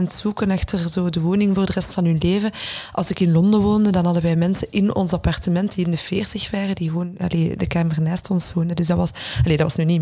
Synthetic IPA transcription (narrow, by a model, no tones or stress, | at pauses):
ntsukənɛxtərzoːdəʋoːnɪŋvoːrdərɛstfɑnɦɵnleːvəʔɑ̰lˠsɪkɪnlɔndəʋoːndədɑnɦɑdəʋɛjmɛnsənʔɪnɔ̰nsɑpɑrtəmɛnt̚diɪndəfeːrtəxʋaːrədiɣəʋoːnɑ̰leːdəkaːmərnaːstɔnswoːndədʏzdɑʋɑsɑleːdɑtʋɑsnyːni